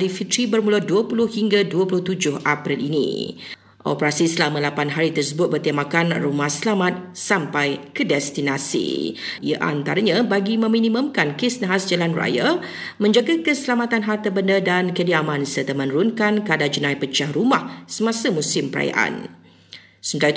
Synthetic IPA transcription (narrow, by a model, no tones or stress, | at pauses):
alifit̪ɾibərmũladuəpulʊhhiŋɡaduəpulʊht̪ud͡ʒʊhʔapɾilinḭ̃ | ʔɔ̰pəɾasisəlamãlapanɦaɾit̪ərsəbʊt̪̚bərt̪imakanrumahsəlamat̪̚sampajkədɛst̪inasḭija̰ʔa̰nt̪aɾaɲãbaɡimə̃mĩnĩmə̃mkankesnaɦasd͡ʒalanra̰ja | mə̃ɲd͡ʒaɡakəsəlamat̪anɦart̪əbəndədankədiamãnsərt̪əmə̃nuɾʊnkankadad͡ʒənãjpət͡ʃahrumahsəmãsamũsɪmpəɾa̰ja̰ʔa̰n | sənt̪a